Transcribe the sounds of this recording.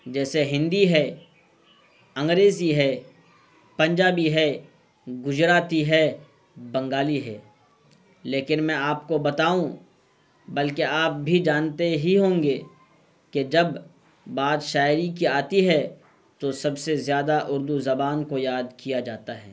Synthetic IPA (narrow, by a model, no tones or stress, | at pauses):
d͡ʒɛːseɦɪ̃nd̪iɦɛ | ɐ̃ŋɡɾeːziɦɛː | pɐ̃ɲd͡ʒaːbiɦɛː | ɡʊzɾaːt̪iɦɛː | bɐ̃ŋɡaːliɦɛː | leːkɪnmɛ̃aːpkobɐt̪aːũ | bɐlkeaːp̚bʱid͡ʒaːnt̪eɦiɦõːŋɡe | ked͡ʒɐb | baːd̪ʃaːɪɾik̬iaːt̪iɦɛ | t̪osɐbsezjaːd̪aʔʊɾd̪uzɐbaːnkojaːd̪kijad͡ʒaːt̪aɦɛ̰ː